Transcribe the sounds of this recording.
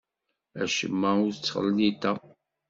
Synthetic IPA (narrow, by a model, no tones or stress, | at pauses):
æʃə̰mːæʊɾt͡sːχə̰lnit̪æ